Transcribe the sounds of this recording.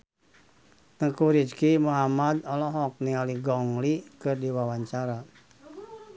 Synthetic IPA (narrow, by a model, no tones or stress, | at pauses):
t̪əkuɾid͡ʒkimuɦamad̪ɔlɔɦɔk̚niŋaliɡɔŋlikɨrdiwawaɲt͡ʃaɾa